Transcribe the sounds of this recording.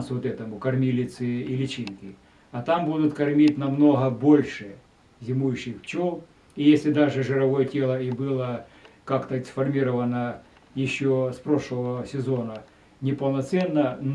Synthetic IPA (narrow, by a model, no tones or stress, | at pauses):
nsʊot̪ɛt̪əmʊkɐrmʲilʲɪt̪sɨilʲɪt͡ɕinkʲɪ | ɐt̪ambud̪ʊt̪kɐrmʲitʲnɐmno̞ɦəbo̞lʲʂɨ | zʲɪmujʊɕːɪxt͡ɕolˠ | ijesʲlʲɪd̪aʐɨʐɨɾɐvojətʲelˠəibɨlˠəkakt̪əsfɐrmʲiɾəvənə | jɪɕːospɾoʂlˠəʋəsʲɪzonə | nʲɪpəlˠnɐt̪sɛnːən